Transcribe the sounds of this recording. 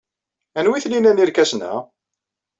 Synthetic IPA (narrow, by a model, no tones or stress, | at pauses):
ænwiθninæniɾkæsnæ̰